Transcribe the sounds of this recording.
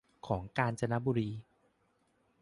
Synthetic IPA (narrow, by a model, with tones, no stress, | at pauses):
kʰɔː˩˦ŋkaː˧nt͡ɕa˧na˦˥buː˧ɾiː˧